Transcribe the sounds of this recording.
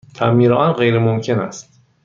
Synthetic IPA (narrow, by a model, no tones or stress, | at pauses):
t̪ʰæmːiːɾeʔɒnɢe̞jɾemomcʰe̞næ̰st̪̚